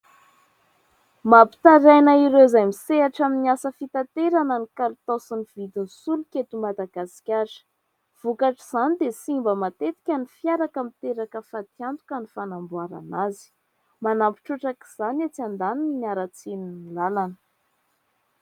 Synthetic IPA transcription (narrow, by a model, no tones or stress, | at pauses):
mapi̥t̪aɾajnaiɾewzajmiseaʈ͡ʂaminiasəfit̪at̪eɾanənikalut̪osinivid̪insulukʲet̪umad̪aɡasi̥kʲaɾə̥ | v̥ukaʈ͡ʂiz̥anid̪esimbəmat̪et̪i̥kʲanifjaɾakəmit̪eɾakəfat̪iant̪u̥kənifanambuaɾa̰nazi̥ | manampi̥ʈ͡ʂuʈ͡ʂaki̥z̥anat͡siand̪anininiaɾat͡seninilalanə̥